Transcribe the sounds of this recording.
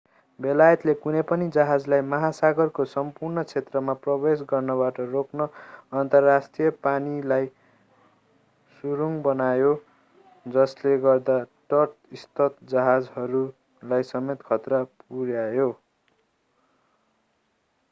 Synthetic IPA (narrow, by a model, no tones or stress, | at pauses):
belajʌt̪lekunʌjpʌnid͡zʌɦad͡zlajmʌɦasaɡʌrkosʌmpurnʌt͡sʰet̪rʌmaprʌbesɡʌrnʌbaʈʌroknʌːnt̪ʌrːasʈijʌpanilaj | suɾuŋbʌnajo | d͡zʌsleɡʌrd̪aʈʌʈist̪ʌt̪d͡zʌɦad͡zɦʌɾu | lajsʌmet̪kʰʌt̪rʌp̚uɾjajo